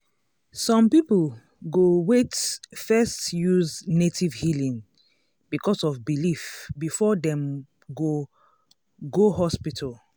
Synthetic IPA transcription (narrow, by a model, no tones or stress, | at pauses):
sɔ̃mpipl | ɡowetfɛstjuznetʰivhilĩŋ | bikɔsɔvbilifbifɔdɛ̃m | ɡo | ɡoɦɔspitʰal